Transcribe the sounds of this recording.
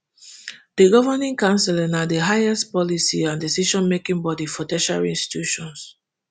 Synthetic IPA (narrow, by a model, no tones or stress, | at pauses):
d̥əɡɔvənĩŋkãnsɛlɛnadəɦaɪɛstpɔlisiãndisiʃɔ̃nmekĩŋbɔdifɔdɛʃa̰lĩnsti̥tʰuʃɔ̃ns